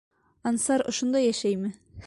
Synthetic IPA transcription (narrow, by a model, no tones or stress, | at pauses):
ɑnsɑɾŏʃŏnd̪ɑjæʃæjmɘ